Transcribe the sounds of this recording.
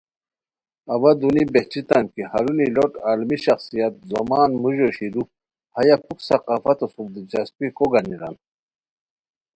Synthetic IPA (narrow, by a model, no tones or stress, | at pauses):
awad̪unibeht͡ɕit̪ankihaɾuniloʈaːlmiɕaxsijat̪̚zomaːnmuʑoɕiɾu | hajakuksɐqaːfat̪osub̚d̪id͡ʑaspikoɡaniɾa̰n